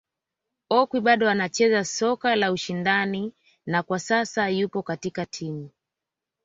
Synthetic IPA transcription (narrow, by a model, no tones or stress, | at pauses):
ɔkwiɓaɗɔanat͡ʃɛzasɔkalauʃindani | nakwasasajupɔkatikatʰimu